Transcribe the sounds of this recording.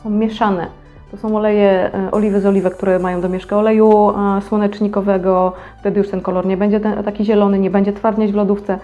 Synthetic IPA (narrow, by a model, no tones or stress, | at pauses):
ɔmʲjɛʂanɛ̰ | t̪ɔsɔ̃w̃ɔlɛjɛʔɔ̰lʲivɘzɔlʲivɛkt̪uɾɛmajɔ̃w̃d̪ɔmʲɛʂkɘɔlɛjuswɔnɛt͡ʂɲikɔvɛɡɔft̪ɛd̪ɘjuʂt̪ɛnkɔlɔɾɲɛbɛɲd͡ʑɛt̪ɛt̪akʲiʑɛlɔnɘɲɛbɛɲd͡ʑɛt̪faɾd̪ɲad͡ʑvlɔd̪uft̪sɛ